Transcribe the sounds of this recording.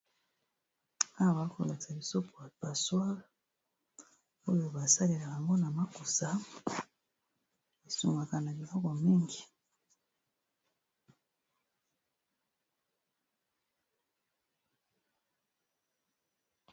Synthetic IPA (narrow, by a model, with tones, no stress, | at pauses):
a˦˨βa˨˦ko˨la˨ta˨βi˨so˦po˨ba˨swa˦la˨ | o˦jo˨βa˨sa˦li˨la˨ka˨ŋɡo˦na˨ma˦ko˨sa˨ | i˨su˨ŋɡa˨ka˨na˨bi˨la˦ɡa˨mi˦ŋɡi˨